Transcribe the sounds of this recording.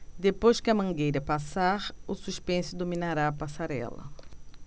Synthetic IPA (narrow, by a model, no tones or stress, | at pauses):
d̪epojʃkɪɐmɐ̃ŋɡejɾɐpasaɾʊsuʃpẽsʊd̪ominaɾaːpasaɾɛ̰lɐ̰